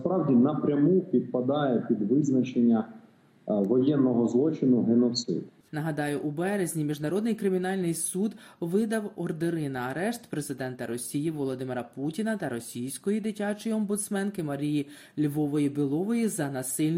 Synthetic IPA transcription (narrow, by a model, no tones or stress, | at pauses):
spɾɑwdʲinɐpɾʲɐmupʲid̪̚pɐd̪ɑjɛpʲid̪ʋɪznɐt͡ʃenʲːɐ | ʋɔjɛnːɔɦɔzlˠɔt͡ʃɪnʊɦenɔt̪sɪ̰d̪ | nɐɦɐd̪ɑjʊʔubɛɾezʲnʲimʲiʒnɐɾɔd̪nɪjkɾɪmʲinɑlʲnɪjsud̪ʋɪd̪ɐwɔrd̪ɪɾɪnɐɐɾɛʃt̪pɾezɪd̪ɛnt̪ɐɾɔsʲijiʋɔlˠɔd̪ɪmeɾɐputʲinɐt̪ɐɾɔsʲijsʲkɔjid̪ɪtʲɑt͡ʃɔjiɔmbʊt̪smɛnkɪmɐɾʲiji | lʲʋɔʋɔjibɪlˠɔʋɔjizɐnɐsɪlʲn